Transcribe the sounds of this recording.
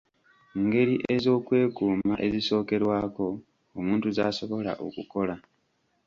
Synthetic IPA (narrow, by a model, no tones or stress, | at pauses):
ŋɡe̞ɾiʔe̞zo̞ːkwe̞ːkuːmaʔe̞ziso̞ːke̞ɾwaːko̞ː | muːntuzaːso̞βo̞la̰ʔo̰kuko̞la